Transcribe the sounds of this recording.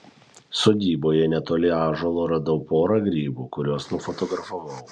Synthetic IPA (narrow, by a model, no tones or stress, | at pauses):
soːd̪ʲiːboːjɛnʲɛt̪oːlʲɪɑːʒolˠoːɾɐd̪ɐʊpoːɾɐɡɾʲiːbuːkʊɾʲoːsnʊfɔt̪ɔɡɾɐfɐʋɐʊ